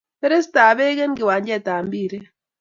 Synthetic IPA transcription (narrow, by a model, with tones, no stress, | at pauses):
pe˦ɾe˦s̬taː˨βe˦ɣe˦ŋɡi˨wa˨ɲd͡ʒɛ˦˨taː˨mbi˦˨ɾe˦